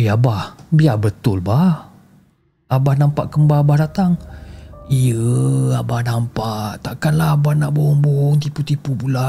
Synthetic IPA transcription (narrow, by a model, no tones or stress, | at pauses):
eabahbiabət̪ʊlbah | abahnampaʔkəmbaabahdat̪aŋ | ijəabahnampaʔt̪aʔkanlahabahnaʔbohʊŋboɦɔŋt̪iput̪ipubula